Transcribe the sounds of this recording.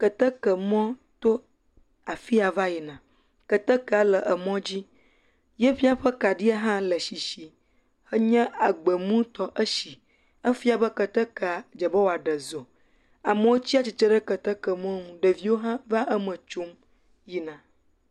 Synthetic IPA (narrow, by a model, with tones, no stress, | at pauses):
kə˨t̪ə˦kə˨mɔ̃˦t̪o˦ | a˨fi˦a˨va˦ji˨nã˨ | kə˨t̪ə˦kə˦˨a˨lə˨ʔə˨mɔ̃˦d͡ʑi˦ | jɛ˦ɸi˦a˨ɸə˦ka˨ɖi˦a˦ɦã˦lə˨ʃi˨ʃi˨ | hə˦ɲɛ̃˦a˨ɡ͡bə˨mũ˦t̪ɔ˦ʔə˦ʃi˨ | ə˦fi˦a˨bə˦kə˨t̪ə˦kə˦˨a˨d͡ʒə˨bɔ˦wo˨a˨ɖə˨zo˨ | a˨mə̃˨wo˦t͡ɕi˦a˨t͡ɕi˨t͡ʃə˦ɖə˦kə˨t̪ə˦kə˨mɔ̃˦nũ˨ɖə˨vi˦wo˦ɦã˦va˦ʔə˦mə̃˨t͡ʃu˦m | ji˨nã˨